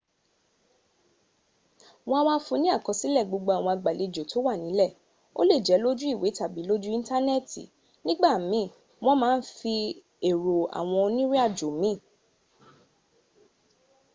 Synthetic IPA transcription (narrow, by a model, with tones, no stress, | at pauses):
wɔ̃˧a˧w̃ã˧˦fũ˧nĩ˦a˦˨kɔ̃˧si˦lɛ˦˨ɡ͡bo˨˧ɡ͡bo˧a˨w̃ɔ̃˧a˧ɡ͡ba˨le˧d͡ʒo˨to˨˦wa˦˨nĩ˨˦lɛ˦˨ | o̰˦le˦˨d͡ʒɛ˨˦lo˦d͡ʒu˦i˦˨we˨˦ta˦˨bi˨˦lo˦d͡ʒu˦ĩ˦n˦ta˦nɛ˦˨tḭ˨ | nĩ˦ɡ͡ba˦˨mĩ˨˦˨ | w̃ɔ̃˦mãː˦n̩˦fi˧ | e˨ɾo˨a̰˨w̃ɔ̃˧o˧nĩ˦ɾi˦a˦˨d͡ʒo˨mĩ˨˦˨